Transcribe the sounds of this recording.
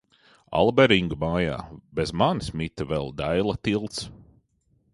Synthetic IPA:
a̰lˠbɛɾiŋɡmaːja̰ːbɛzmansmit̪avɛlˠd̪ajlˠat̪ilˠt̪s

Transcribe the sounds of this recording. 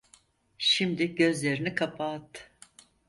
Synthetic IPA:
ʃimd̪iɟø̞zlʲe̞ɾinikʰapʰat̪

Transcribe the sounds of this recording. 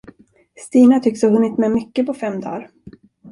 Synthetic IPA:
st̪iːnat̪ʰʏkshaɦɵnːɪt̪mɛmʏkːəpɔfɛmːd̪ɑ̰ːɾ

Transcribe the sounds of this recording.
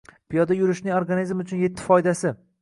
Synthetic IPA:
pijɒd̪ajʊɾɪʃnɪŋoɾɡanizmʊt͡ʃʰʊnje̞t̪ʰːɪ̥fɒjd̪asɪ

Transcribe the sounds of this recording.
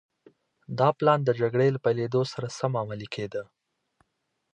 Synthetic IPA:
d̪ɑplɑnd̪əd͡ʒaɡɽelapajled̪osaɾasamamalikʰed̪ə

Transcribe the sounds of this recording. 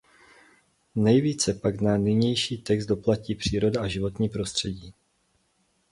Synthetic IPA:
nɛjviːt͡sɛpaɡnanɪɲɛjʃiːt̪ɛkz̚do̞placiːpr̝̥iːɾo̞daʔaʒɪvo̞t̪ɲiːpɾo̞st̪r̝̥ɛɟiː

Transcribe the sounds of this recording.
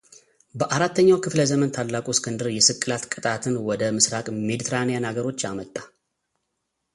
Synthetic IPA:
bəʔaɾat̪ːəɲːawkʰɨfləzəmənt̪ʰalːakʼuskʰɨnd̪ɨɾjɛsɨkʼːɨlat̪kʼɨt̪ʼat̪ʰɨnwɔd̪əmɨsɾakʼmed̪it̪ʰɾanejanaɡəɾo̞t͡ʃːamət̪ʼːa

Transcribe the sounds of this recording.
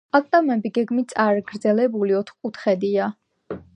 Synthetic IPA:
pʼakʼt̪ʼamɛbiɡɛɡmit̪sʼaɾɡɾd̪zɛlɛbuliɔt̪ʰχkʼut̪ʰχɛd̪ia

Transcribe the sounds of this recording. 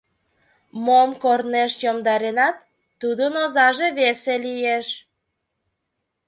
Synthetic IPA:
momkorneʃjomd̪ɑɾenɑt̪ː | ud̪ənozɑʒeβeselijeʃ

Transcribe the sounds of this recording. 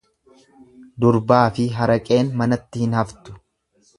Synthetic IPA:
d̪ʊɾbaːfɪɦɐɾɐkʼe̞ːnmɐnɐt̪ːɪhɪnhɐft̪ʊ̥

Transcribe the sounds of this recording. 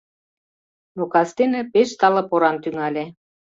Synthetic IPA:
nokɑst̪enĕpeʃt̪ɑlɤ̆poɾɑnt̪yŋɑlʲe

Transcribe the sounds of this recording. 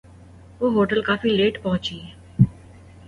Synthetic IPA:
ʋoːɦoːʈəlkaːfileːʈpɐɦʊ̃t͡ʃiːɛ

